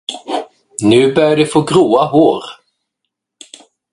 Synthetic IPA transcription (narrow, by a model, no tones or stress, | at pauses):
nʉ̟ːbœɾjaɖɛfoːɡɾuːaɦoːɾ